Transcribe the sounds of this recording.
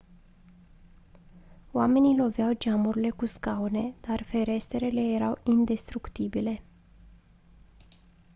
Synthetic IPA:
oame̞nilo̞veawd͡ʒamuɾile̞kuskawne̞d̪̥arfe̞ɾe̞se̞ɾe̞le̞je̞ɾawind̪e̞st̪ɾukt̪ibile̞

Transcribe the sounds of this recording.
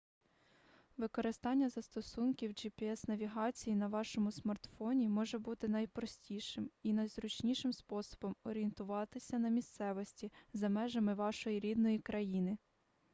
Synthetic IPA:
ʋɪkɔɾɪst̪ɑnʲːɐzɐst̪ɔsunkʲiwd͡ʒipʲiɛsnɐʋʲiɦɑt͡sʲijinɐʋɑʃɔmʊsmɐrt̪fɔnʲimɔʒɛbut̪ɪnɐjpɾɔsʲtʲiʃɪminɐjzɾʊt͡ʃnʲiʃɪmspɔsɔ̥bɔmɔɾʲient̪ʊʋɑt̪ɪsʲɐnɐmʲist̪sɛʋɔsʲtʲizɐmɛʒɐmɪʋɑʃɔjiɾʲid̪nɔjikɾʔɐjinɪ

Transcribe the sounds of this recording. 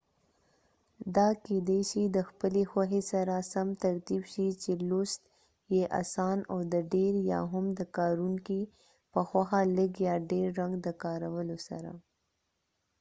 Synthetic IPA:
d̪ɑked̪eʃid̪əxpəlexwaɦesaɾasamt̪aɾt̪ibʃit͡ʃelost̪ | jeʔa̰sɑnawd̪əɖeɾjɑ̰ɦʊmd̪əkɑɾuŋki | pəxwaxalɪkjɑɖeɾːaŋɡd̪əkɑɾawəlosa̰ɾa̰

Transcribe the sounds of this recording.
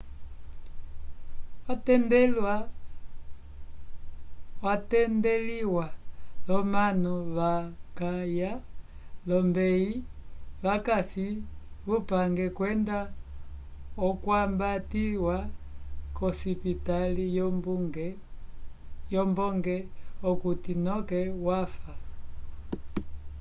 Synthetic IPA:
watɛndɛlwa | watɛndɛliwalɔmanuβakaja | lɔmbɛiβakasiβupaŋɡɛkwɛnda | ɔkwambatiwakɔsipitalib | jɔmbɔŋɡɛɔkutinɔkɛwafa

